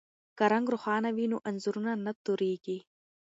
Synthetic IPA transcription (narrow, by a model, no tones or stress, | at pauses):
kɐɾɐŋɡɾʊxɑːnɐʋinuʔɐnzuɾunanɐt̪uɾiːɡi